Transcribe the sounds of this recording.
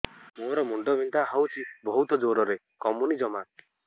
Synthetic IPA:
moɾɔmuɳɖɔbʱint̪aɦawt͡ʃʰibɔɦut̪ɔd͡ʒoɾɔɾe | kɔmunid͡ʒɔma

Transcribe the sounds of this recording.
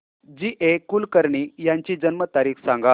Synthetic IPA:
d͡ʑiːʔekulkəɾɳiːjaɲt͡ɕiːd͡ʑənmət̪aɾiːksãŋɡa

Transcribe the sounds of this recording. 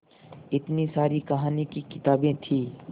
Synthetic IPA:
ɪt̪nisaːɾikɐɦaːnikikɪt̪aːbẽt̪ʰiː

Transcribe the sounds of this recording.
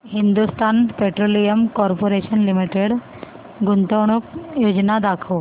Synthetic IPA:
hind̪ust̪anpeʈɾolijəmkɔɾpoɾeɕənlimiʈeɽ | ɡunt̪əwɽ̃ukjod͡ʑnad̪akʰo

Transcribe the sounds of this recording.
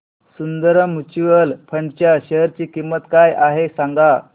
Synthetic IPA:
sund̪əɾəmut͡ɕiʋəlpʰəɳɖt͡ɕjaɕəɦəɾt͡ɕiːkimːət̪kajʔaɦesaŋɡa

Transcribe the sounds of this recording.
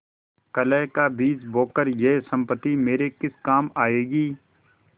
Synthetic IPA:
kəlɛːkaːbiːd͡ʒboːkəɾjeːsə̃mpət̪imeːɾekɪskaːmaːeːɡiː

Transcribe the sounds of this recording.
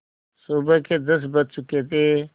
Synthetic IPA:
subəkʰeːd̪əs̬bət̪̚t͡ʃʊkeːt̪eː

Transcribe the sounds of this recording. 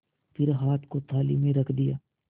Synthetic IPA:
pʰɪɾɦaːt̪ʰkot̪ʰaːlḭmẽɾɐkʰd̪ɪjaː

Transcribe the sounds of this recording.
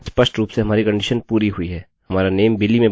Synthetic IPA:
t͡ʃpɐsʈɾuːpseɦɐmaːɾikɐ̃ɳɖɪʃənpuːɾiɦʊiɦɛː | hɐmaːɾaneːmbɪlːimẽ

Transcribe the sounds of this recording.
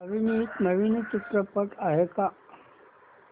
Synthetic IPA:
əʋinit̪nəʋint͡ʃit̪ɾəpəʈaɦeka

